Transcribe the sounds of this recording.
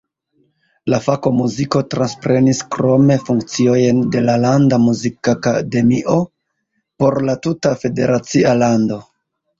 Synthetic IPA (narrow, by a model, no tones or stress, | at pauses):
lafako̞muziko̞tɾanspɾe̞niskɾo̞me̞fuŋk̚t͡sio̞jnde̞lalandamuzikakade̞miʔo̞ | po̞ɾlatutafe̞de̞̰ɾat͡sialando̞